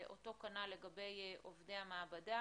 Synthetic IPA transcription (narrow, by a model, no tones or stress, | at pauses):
ʔoto̞kanale̞ɡabe̞jʔovdejhameabada